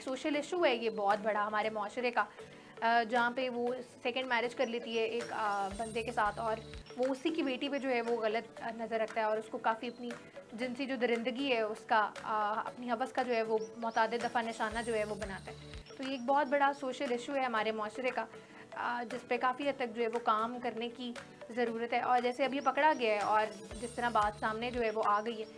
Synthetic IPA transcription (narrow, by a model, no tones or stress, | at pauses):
soːʃəlɪʃuɦɛjebɔːt̪̚bɐɽaɦɐmaːɾemʊaːʃɾeka | d͡ʒɐɦãpeʋosɛkə̃ɳɖmɛːɾed͡ʒkɐɾleːt̪iɦɛʔeːkbɐ̃nd̪ekesaːt̪ʰɔːɾʋoʊsikibeːʈiped͡ʒoːɦɛʋoɣɐlət̪nɐzəɾːɐk̚ʰt̪aɦɛɔːɾʊskokaːfiɐpni | d͡ʒɪnsid͡ʒoːd̪ɪɾɪ̃nd̪əɡiɦɛʊskaɐ̰pniɦɐʋəskad͡ʒoːɦɛʋomʊt̪aːd̪ɪd̪̚d̪ɐfanɪʃaːnad͡ʒoːɦɛʋobɐnaːt̪aɦɛt̪oːjeːk̚bɔːt̪̚bɐɽasoːʃəlɪʃuɦɛɦɐmaːɾemʊaːʃɾeka | d͡ʒɪspekaːfiɦɐd̪̚t̪ɐk̚d͡ʒoːɦɛʋokaːmkɐɾneki | zɐɾuːɾət̪ɦɛʔɔːɾd͡ʒɛːseɐbʱipɐkɽaɡɐjaɦɛɔːɾd͡ʒɪst̪ɐɾabaːt̪saːmned͡ʒoːɦɛʋoʔaːɡɐiɦɛː